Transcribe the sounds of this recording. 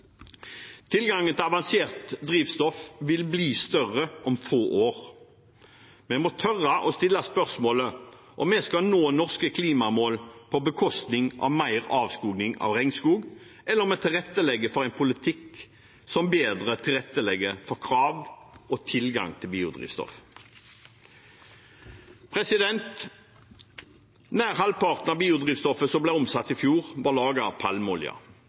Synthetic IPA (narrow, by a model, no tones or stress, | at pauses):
t̪ʰɪlɡɑŋːənt̪ɪlɑʋɑnseːʁt̪d̪ɾiːʋst̪ɔfʋɪlbliːst̪œʁəʔɔmfoːʔoːʁ | mɛmɔt̪ʰœʁɑʔɔst̪ɪlːɑspœʁsmoːlə | ʔɔmːɛskɑnoːnɔʁskəkʰliːmɑmoːlpʰɔbəkʰɔst̪nɪŋʔɑ̰ʋmæɪʁɑːʋskuːɡnɪŋɑ̰ʋʁɛŋskuːɡ | ɛlːəʁmɛːt̪ʰɪlʁɛt̪ːəlɛɡːəfɔʁæɪnpʰʊlɪt̪ʰɪk | sɔmbeːd̪ʁət̪ʰɪlɛt̪ːəlɛɡəfɔʁkʰʁɑːʋʔoːt̪ʰɪlɡɑ̰ŋt̪ʰɪlbiːʊd̪ʁḭːʋst̪ɔ̰f | pʰʁɛsɪd̪ɛnt̪ | næːʁhɑlpʰɑʁt̪n̩ɑbiːʊd̪ʁiːʋst̪ɔfəsɔmbleɔmsɑt̪ːɪfjuːʁʋɑːʁlɑːɡɑɑpʰɑlmʊlɪ̰ɑ̰